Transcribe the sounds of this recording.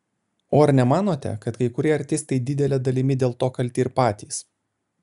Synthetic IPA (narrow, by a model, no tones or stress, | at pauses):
oːɐɾnʲɛmɑːnoːt̪ʲɛ̰kɐt̪kɐɪkʊɾʲiɛɐɾʲt̪ʲɪst̪ɐɪd̪ʲɪd̪ʲɛlʲɛd̪ɐlʲɪmʲɪd̪ʲeːlˠt̪oːkɐlʲt̪ʲɪɪɾpɑːt̪ʲiːs